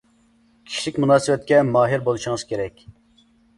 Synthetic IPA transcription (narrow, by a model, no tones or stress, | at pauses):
kʲʰi̥ʃlikʲmunɑːsɨbɛt̪̚kʲɛmɑːɦiɾbolˠuʃuŋɨz̥kʲʰeɾɛkʲ